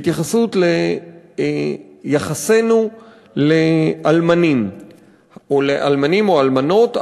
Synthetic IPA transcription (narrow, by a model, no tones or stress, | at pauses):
t̪jaχasutle | jaχase̞nu | leʔalmanim | oleʔa̰lmanimoalmano̞t